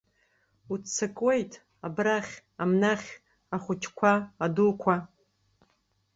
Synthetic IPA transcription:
ut͡sʰːakʼwejtʰʼ | abraχʲamnaχʲ | aχʷʊt͡ʃʰkʷʰaːdukʷʰa

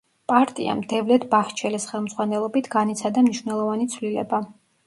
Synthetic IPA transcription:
pʼaɾt̪ʼḭa̰md̪ɛvlɛt̪ʰbaht͡ʃʰɛlɛsχɛlˠmd̪zʁwanɛlˠɔbit̪ʰɡ̥anit̪sʰad̪amniʃwnɛlˠɔvanit̪sʰvlilɛ̰ba

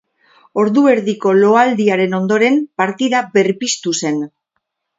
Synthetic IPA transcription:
o̞ɾðue̞ɾðiko̞lo̞ald̪iaɾe̞no̞nd̪o̞ɾe̞mpaɾt̪iðabe̞rpist̪use̞n

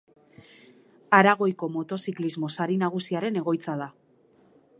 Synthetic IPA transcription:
aɾaɣ̞o̞jko̞mo̞t̪o̞siklizmo̞saɾinaɣ̞usiaɾe̞ne̞ɣo̞jt͡sað̞a

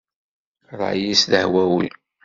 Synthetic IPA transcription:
ɾˤɑ̰jisðəhwæwḭ

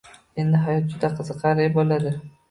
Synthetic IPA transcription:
end̪ɪɦajɒt̪̚d͡ʒʊd̪aqʰɨzɨqʰɑɾejbɒlad̪ɪ

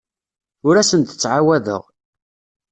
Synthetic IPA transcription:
ʊɾæsənt̪ə̥t͡sːʕawæðə̰ʁ

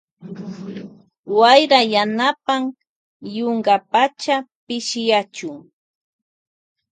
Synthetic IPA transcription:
wajɾajanapam | joŋɢapat͡ʃapɪʃɪjat͡ʃʊŋ

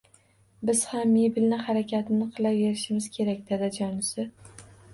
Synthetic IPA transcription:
bɪz̥hamːebɪlnɪhaɾakʲʰat̪ʰɪnɪqʰɨlˠaveɾɪʃɪmɪz̥kʲʰe̞ɾakʲd̪ed̪ad͡ʒɒnɪsɪ

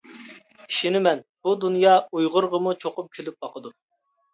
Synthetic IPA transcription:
i̥ʃinɪmɛnb̥ud̪unjɑujʁʊɾʁəmut͡ʃʰoqʊp̚kʲʰylyp̚bɑqʰəd̪u

